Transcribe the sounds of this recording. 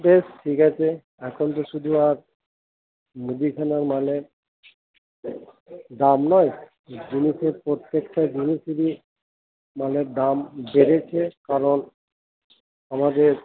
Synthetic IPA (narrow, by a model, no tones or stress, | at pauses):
besʈʰikat͡ɕʰe | ɛkʰont̪̬oʃud̪ʱuaɾ | mud̪ikʰanaɾmale | ɖamnɔj | d͡ʑiniʃeɾpɾot̪ːekʈad͡ʑiniʃiɾi | maledambeɾet͡ɕʰekaɾon | amad̪eɾ